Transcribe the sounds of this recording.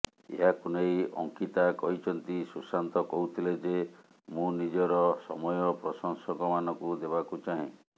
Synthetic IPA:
ḛɦakunejɔ̰ŋkit̪akɔɦit͡ʃʰɔnt̪isusant̪ɔkɔɦut̪ʰiled͡ʒe | mũnid͡ʒɔɾɔsɔmɔjɔpɾɔsɔŋsɔkɔmanɔkud̪ebakut͡ʃaɦĩ

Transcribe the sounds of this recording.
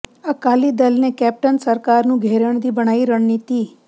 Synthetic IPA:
əkalid̪əlnekɛp̚ʈənsəɾkaɾnũɡʱeɾəɳd̪ibəɽ̃aiɾəɳnit̪i

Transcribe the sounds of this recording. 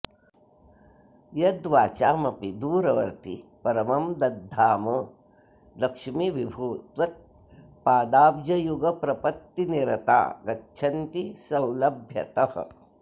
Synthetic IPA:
jɐd̪ʋaːt͡ʃaːmɐpid̪uːɾɐʋɐɾt̪ipɐɾɐmɐmd̪ɐd̪ʱːaːmɐ | lɐkʂmiʋibʱuːt̪ʋɐt̪̚ | paːd̪aːbd͡ʒɐjuɡɐpɾɐpɐt̪ːiniɾɐt̪a̰ːɡɐtːt͡ʃʰɐnt̪isɐwlɐbʱjɐ̰t̪ɐhɐ̰̆

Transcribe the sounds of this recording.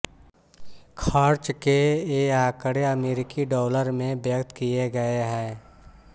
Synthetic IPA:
kʰəɾt͡ʃkeaːkəɽeəmeːɾɪkiɖɔːləɾmẽbjəkt̪kijeɡəeɦɛ̃ː

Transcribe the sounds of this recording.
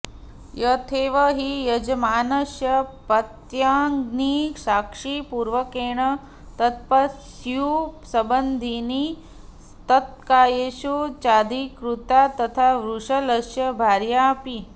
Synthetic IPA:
jɐt̪ʰeːʋɐɦijɐd͡ʒɐmaːnɐʃjɐpɐt̪jaːŋɡnisaːkʂipuːɾʋɐkeːɳɐ | t̪ɐt̪̚pɐsjusɐbɐnd̪ʱini | t̪ɐt̪̚kaːjeʃut͡ʃaːd̪ikɾut̪at̪ɐt̪ʰaʋɾuʂɐlɐʃjɐbʱaːɾjaːpi

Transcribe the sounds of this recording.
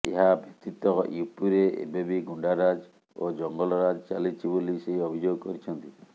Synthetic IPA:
ḛɦabjɔk̚t̪it̪ɔjupuɾeʔḛbebiɡuɳɖaɾad͡ʒ | o̰d͡ʒɔŋɡɔlɔɾad͡ʒɔt͡ʃalit͡ʃʰiboliseɦiɔbʱid͡ʒoɡɔkɔɾit͡ʃʰɔnt̪i

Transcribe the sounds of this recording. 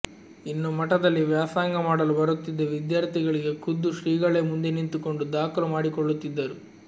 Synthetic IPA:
inːumɐʈɐd̪ɐlːiʋjaːsaːŋɡɐmaːɽɐlubɐɾut̪ːid̪ːeʋid̪jaːɾt̪ʰiɡɐɭiɡe̞kud̪ːuʃɾiːɡɐɭemund̪enint̪uko̞ɳɖud̪aːkulɐmaːɽikɔɭːut̪ːid̪ːɐɾu

